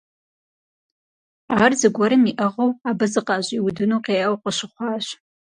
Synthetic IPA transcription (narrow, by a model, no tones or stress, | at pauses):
aːrzɨɡʷɐɾɨmiʔɐʁɐwaːbɐzɨqɑːʑʷʼiwʊdɨnuːqeːɐwqəɕɨχʷɑːɕ